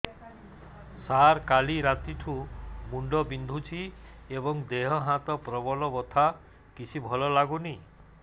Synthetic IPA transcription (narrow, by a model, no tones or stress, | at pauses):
saɾkaliɾat̪iʈʰumuɳɖɔbind̪ʱut͡ʃʰi | ebɔŋd̪eɦɔɦãt̪ɔpɾɔbɔlɔbɔt̪ʰa | kit͡ʃʰibʱɔlɔlaɡuni